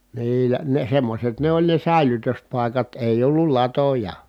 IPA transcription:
niːlæ ne semːoset ne olʲ ne sæˑelytøspɑˑi̯kɑt eˑij olːul lɑtojɑ

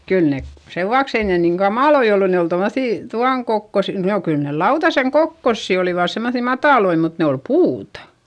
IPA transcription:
kyl ne seʋuɑks ei niːŋ kɑmɑˑloi olːu ne ol tomːoθiˑ tuɑŋ kokːos noˑ kyl ne lɑutɑseŋ kokːosːi oliʋɑˑs semːoθiˑ mɑtɑˑloi mut ne ol puːtɑ

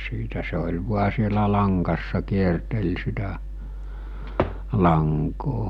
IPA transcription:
siːtæ se olʲ ʋuɑ sielæ lɑŋkɑsːɑ kiertel sitæ lɑŋkoː

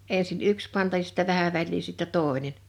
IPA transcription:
eˑnsin yks pɑntɑ jɑ si̥tːæ ʋæhæ ʋælʲliː sitːɛ toˑe̝nen

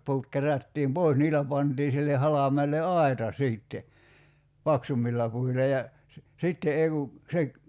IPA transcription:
pu̞ut kerætːiːm poˑis niːlæ pɑntiː silːe hɑlɑmˑeːlˑe ɑi̞tɑ siːtːe pɑksumːilːɑ puilɑ jɑ se sitːe ei ku se

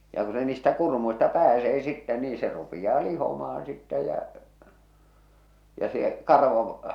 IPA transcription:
jɑ ku se niːstæ kurmuistɑ pæːseː sitːɛ niː se rupij̆ɑː lihomɑɑn sitːæ jæ jɑ se kɑrʋo

